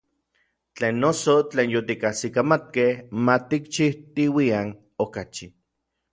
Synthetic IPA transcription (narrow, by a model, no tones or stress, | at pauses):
t͡ɬeːnːosot͡ɬeːnjot̪ikasikamat̪̚kehmat̪ikt͡ʃiht̪iwian | okat͡ʃi